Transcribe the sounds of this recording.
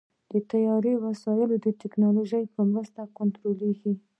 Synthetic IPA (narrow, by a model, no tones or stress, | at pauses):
d̪̥ət̪ajɑɾewasɑjɪlod̪əʈɪknɑloʒəjpəmɾəst̪akʊnt̪ɾoleɡi